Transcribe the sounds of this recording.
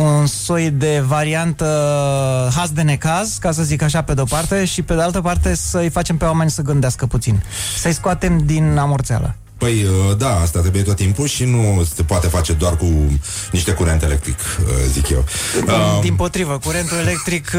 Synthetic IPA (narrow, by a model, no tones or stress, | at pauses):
unso̞jd̪e̞vaɾiant̪ə | ɦasd̪e̞ne̞kazkas̬əzikaʃape̞d̪eopart̪e̞ʃipe̞d̪ealt̪əpart̪e̞səɨjfat͡ʃe̞mpewame̞nʲsəɡɨnd̪easkəput̪sinsəjskoat̪e̞md̪inamo̞rt̪sea̰lə̰ | pəjəd̪aast̪at̪ɾebujet̪ot̪ːimpuʃinuse̞poat̪e̞fat͡ʃe̞d̪oarkuniʃt̪e̞kuɾe̞nt̪eelek̚t̪ɾḭkə̰zḭkjḛwəd̪impo̞t̪ɾivəkuɾe̞nt̪ule̞le̞k̚t̪ɾik